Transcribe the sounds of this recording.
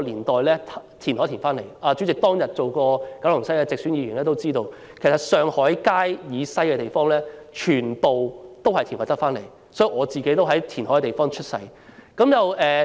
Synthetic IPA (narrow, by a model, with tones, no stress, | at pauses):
liː˨˩nt̪ɔː˨jlɛː˥t̪ʰiː˨˩nhɔː˨˥t̪ʰiː˨˩nfaː˥nle˨˩jaː˧t͡ʃy˨˥t͡sɪ˨k̚t̪ɔː˥ŋjɐ˨t̚t͡so˨wkɔː˧kɐ˨˥wlʊ˨˩ŋsɐ˥ja˧t͡sɪ˨k̚syː˨˥njiː˨˧ɥyː˨˩nlɛː˥t̪o˥wt͡siː˥t̪o˧w | kʰe˨˩sɐ˨t̚sœː˨ŋhɔː˨˥jkaː˥jjiː˨˧sɐ˥jkɛ˧t̪e˨jfɔː˥ŋlɛː˥t͡ʃʰyː˨˩npo˨wt̪o˥whɐ˨jt̪ʰːnɔ˨˥jt̪ɐ˥kfaː˥nle˨˩j | sɔ˨˥ji˨˧ŋʔɔː˨˧t͡siː˨ke˨˥jt̪o˥wɦɐ˨˥jt̪ʰiː˨˩nɦɔː˨˥kɛ˧t̪e˨jfɔː˥ŋt͡ʃʰɵ˥t̚sɐ̰˧˥j | kɐ˨˥mjɐ˨wʔɛː˨˧